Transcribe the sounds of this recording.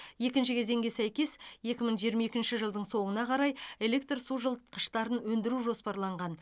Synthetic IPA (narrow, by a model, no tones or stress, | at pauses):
je̞kʲɪnʃɪkʲʰe̞ze̞ŋɡʲe̞sæjkʲe̞sje̞kʲɪməɴʒijəɾmɑjekʲɪnʃɪʒəlˠd̪əɴso̞mənɑqʰɑɾɑje̞le̞k̚t̪rsuʒəlˠt̪qəʃt̪ɑɾənwɵnd̪ɪɾuʒo̞spɑɾlˠɑɴʁɑn